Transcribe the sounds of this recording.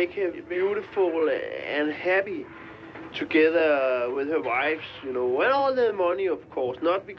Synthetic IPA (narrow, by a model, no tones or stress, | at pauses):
ekʰəbjuɾɨfulɨ̃nhæpi | tʰuɡɛðəwɪðəwaɪfsjunoʊæ̃nɔlˠðəmʌniʌv̥kʰɔːsnʌt̚b̥ikʰ